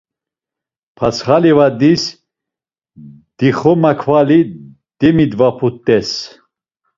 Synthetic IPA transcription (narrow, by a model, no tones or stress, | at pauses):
pʰat͡sʰχalivad̪is | d̪̥iχɔmakʰvali | d̪̥ɛmid̪vapʰut̪ʼːɛs